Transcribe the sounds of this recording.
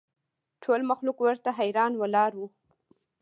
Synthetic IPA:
ʈʰolmaxlukwəɾt̪aɦajɾɑnwəlɑɾwu

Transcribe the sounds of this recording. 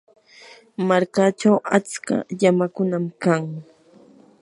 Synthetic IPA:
maɾkat͡ʃawat͡ska̰ʎamakʊnamkaŋ

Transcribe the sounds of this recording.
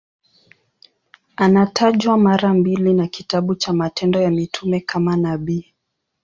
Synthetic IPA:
anatʰaʄwamaɾambilinakitaɓut͡ʃamatɛndɔjamitʰumɛkʰamanaɓiː

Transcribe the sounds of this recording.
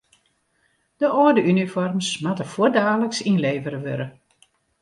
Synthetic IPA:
d̥əʔɔdəynifɔrmsmatəfoədaːləksinleːvəɾəʋø̰ɾə

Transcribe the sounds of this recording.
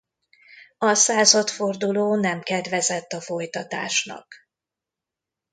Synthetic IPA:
ɒsaːzɒt̪fo̞rd̪uloːnɛmkɛd̪vɛzɛt̪ːɒfo̞jt̪ɒt̪a̰ːʃnɒ̰k

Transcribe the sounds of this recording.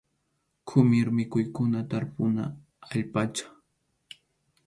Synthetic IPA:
kʰʊmɪɾmɪkʊjkʊnat̪aɾpʊnaː | ʎpat͡ʃḁ

